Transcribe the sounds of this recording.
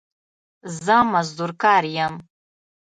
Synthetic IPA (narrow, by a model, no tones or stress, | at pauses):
zamazdurkʰʼarjam